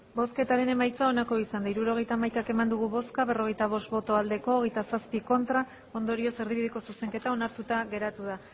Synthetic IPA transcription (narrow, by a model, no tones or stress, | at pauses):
bo̞ske̞t̪aɾe̞ne̞majt͡sao̞nako̞isand̪aiɾuɾo̞ɣ̞e̞jt̪amajk̪ake̞mand̪uɣ̞uβo̞skaβe̞ro̞ɣ̞e̞jt̪aβ̞o̞st̪bo̞t̪o̞ald̪e̞ko̞ːɣ̞e̞jt̪asaspiko̞nt̪ɾa | o̞nd̪o̞ɾio̞se̞ɾð̞iβiðeko̞suse̞ŋke̞t̪ao̞naɾt̪ut̪aɣe̞ɾat̪uða